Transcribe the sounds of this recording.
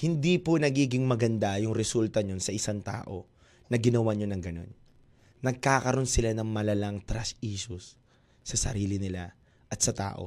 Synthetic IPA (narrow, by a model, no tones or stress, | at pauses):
hɪnd̪iponɐɡiːɡɪŋmɐɡɐnd̪ajʊŋɾɛsult̪ɐɲonsɐʔɪsaŋt̪a̰ːʔo̞ | nɐɡɪnɐwaɲonɐŋɡɐno̞̰nː | ɐɡ̚kaːkɐɾʔo̞nsɪlanɐŋmɐlɐlaŋt̪ɾɐsiːʃʊsː | ɐsɐ̰ɾiːlɪnɪla | ʔɐt̪sɐt̪a̰ːʔo̞̰